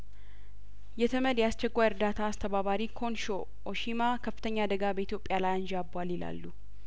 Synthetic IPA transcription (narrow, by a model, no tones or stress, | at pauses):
jɛt̪ʰəməd̪jast͡ʃɛkʷːajɾd̪at̪ʰaːst̪ʰəβaβaɾikʰo̞nʃo̞ | ʔoʃimakʰəfːɨt̪əɲːad̪əɡabəit̪ʰjo̞pʼjalajɨnd͡ʒabːalɪla̰lːu